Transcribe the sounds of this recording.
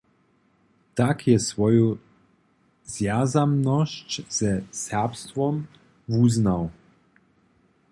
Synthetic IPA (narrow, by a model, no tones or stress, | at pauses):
t̪akjɛsvɔju | zjazamnɔɕt͡ɕz̥ɛsɛʁpst̪vɔm | vuznaw